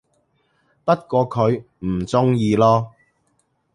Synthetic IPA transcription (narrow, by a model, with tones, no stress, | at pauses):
pɐ˥t̚kɔː˧kʰɵ˨˧ɥ | m̩˨˩t͡sʊ˥ŋjiː˧lɔː˥